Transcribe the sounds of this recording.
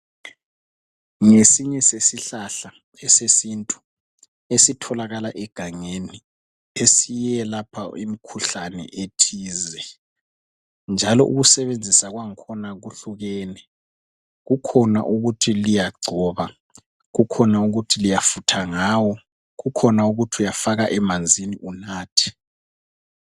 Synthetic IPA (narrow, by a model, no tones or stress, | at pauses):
ŋesiɲɛsesiɬaɬa | ɛsesintʼu | esitʰɔlaɣalaʔɛɡ̥ʱaŋeni | esijɛlapʰaḭmikʰuɬanɛ̰ʔetʰiːzɛ | nd͡ʒʱalɔ̰ʔṵɣusɛβend͡zʱisaɣwaŋkʰɔnaɣuɬuɣɛːnɛ | ɣukʰɔna̰ʔuɣutʰilijaɡ͡ǀʱɔːβa | ɣukʰɔnauɣutʰilijafutʰaŋaːwɔ | ɣukʰɔnauɣutʰiujafaɣaʔɛmand͡zʱiniʔunaːtʰi̥